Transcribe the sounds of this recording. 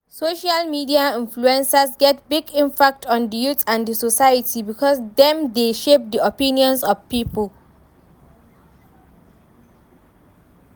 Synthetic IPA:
soʃalmidiaɪ̃nfluɛ̃nsasɡɛt̚biɡɪ̃mpak̚tʰɔ̃ndəjuθãndəsosajətʰibikʰɔsdɛ̃mdeʃep̚diopĩniɔ̃nsɔvpiːpʰəl

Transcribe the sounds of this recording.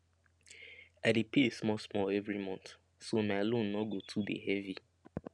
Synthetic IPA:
adepiesmɔsmɔlɛvɾimɔ̃nθ | somalõn̩ːɔɡotʰudḛɦɛvi

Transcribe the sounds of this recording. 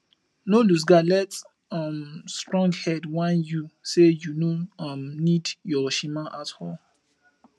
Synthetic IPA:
nolus̬ɡalɛt | amstɹɔ̃ŋɡhɛdwãnjusejunomnidjɔʃimãʔathɔl

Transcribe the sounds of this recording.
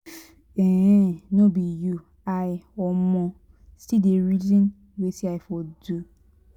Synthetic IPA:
ɛ̃nobiju | ajɔmɔ̃ | stideɾid͡ʒĩn | wesiaɪfɔdu

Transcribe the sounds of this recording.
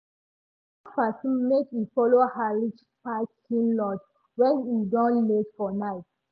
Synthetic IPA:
afasnmekufɔlohaɹit͡ʃ | patkĩnlɔt | wɛ̃nidɔ̃nletfɔnaɪt

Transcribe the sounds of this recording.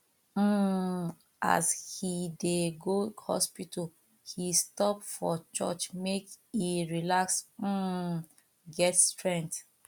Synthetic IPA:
m̩ | ʔa̰shideɡohɔ̰spitʰal | histɔpfɔt͡ʃɔ̰t͡ʃmekiɹilaksm̩ | ɡɛtstɹɛ̃ŋk̚t

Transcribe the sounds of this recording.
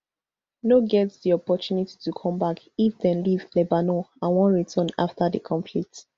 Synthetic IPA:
noɡɛtsdiɔpɔtuniti̥tukʰɔ̃mbak | ifdɛ̃nlivlɛbanoãnwɔ̃nɹitʰəna̰ftadəkʰɔ̃mflit

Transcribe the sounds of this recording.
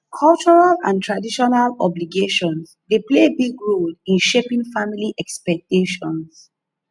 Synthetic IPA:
kʰɔlt͡ʃɔɹalã̰ntʰɹadiʃɔnalɔbliɡeʃɔ̃nsdeplebiɡɹoldĩnʃepĩŋfamiliʔɛkspɛk̚teʃɔ̃ns

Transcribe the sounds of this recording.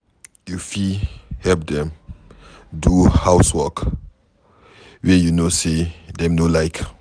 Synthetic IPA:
jufihɛlp̚dɛ̃m | duhaʊswɔk | wɛjunosedɛ̃mnolaɪk

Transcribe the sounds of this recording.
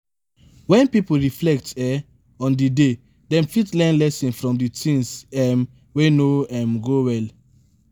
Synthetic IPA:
wɛ̃npipol̩ɹiflɛk̚tɛ | ɔ̃ndide | dɛ̃mfitlɛ̃nlɛsĩnfɹɔ̃mditʰĩŋsɛm | wenoɛ̃mɡowɛl

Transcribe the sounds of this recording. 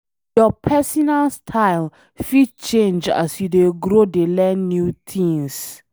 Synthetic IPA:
jɔpʰɛsɔnalstʰaɪl | fid̚t͡ʃẽnd͡ʒa̰sjudeɡɹodelɛ̃nːjutʰĩŋs

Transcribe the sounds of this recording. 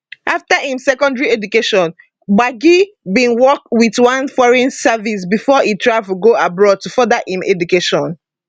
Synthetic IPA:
ʔaftahĩmsɛkɔ̃ndɹiɛdukeʃɔ̃n | baɡi | bĩnwɔk̚witwãnfɔɹɛ̃nsavis̬bifɔʔitʰɹaɪvuɡoabɹɔd̚tufɔdaʔĩmɛ̰dukeʃɔ̃n

